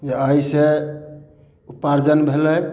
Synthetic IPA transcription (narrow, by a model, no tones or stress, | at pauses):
d͡ʒeəjse | upaɾd͡ʒənbʱeləj